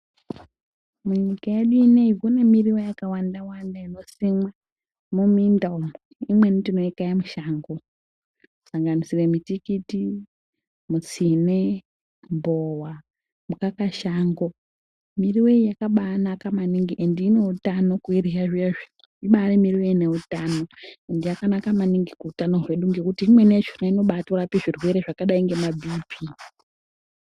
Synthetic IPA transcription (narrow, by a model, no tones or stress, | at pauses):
muinikajeɗineivunemiriwejakawandawandaino̞simwa | mumindaumu | imwenidino̞ikajamuʃaːŋɡo | saŋɡanisiremitikiti | mut͡sine | mbowa | mukakaʃaŋɡo̞ | miriwe̞ijakaɓanakamaniŋɡiʔendiːne̞utano̞kuirijaʐieʐi | iɓaremiriwe̞ine̞utano̞endijakanakamaniŋɡikuːtanorwe̞ɗuŋɡe̞kutiːmwe̞net͡ʃinaino̞ɓatorapiʐirwe̞ɾe̞ʐakaɗaiŋɡe̞mabʱiːpʰi